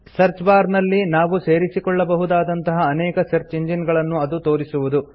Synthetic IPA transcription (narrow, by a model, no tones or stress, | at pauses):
sɐɾt͡ʃbaːɾnɐlːinaːʋuse̞ːɾisikɔɭːɐbɐɦud̪aːd̪ɐnt̪ɐɦɐːnɛːkɐsɐɾt͡ʃiɲd͡ʒinɡɐɭɐnːuɐd̪ut̪o̞ːɾisuʋud̪u